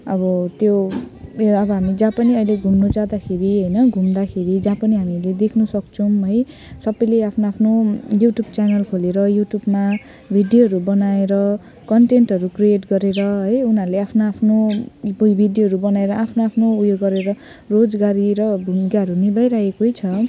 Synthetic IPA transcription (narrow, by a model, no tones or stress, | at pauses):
ʌbʌt̪jo | ʌbʌɦamid͡zãpʌniʌjleɡʱumnod͡zad̪akʰeɾiɦʌjnʌɡʱumd̪akʰeɾid͡zãpʌniɦamiled̪ekʰnusʌkt͡sʰʌ̃ɦʌj | sʌbʌjleapʰnoapʰnojuʈjub̚t͡sanʌlkʰoleɾʌjuʈjubma | bʱiɖijoɦʌɾubʌnaeɾʌ | kʌɳʈenʈɦʌɾukrieʈɡʌɾeɾʌɦʌjunaɾuleapʰnoapʰnobbʱiɖjoɦʌɾubʌnaeɾʌʔapʰnoapʰnoujoɡːʌɾeɾʌ | rod͡zɡaɾiɾʌbʱumɡaɦʌɾunibajɾaekoɦjt͡sʰʌ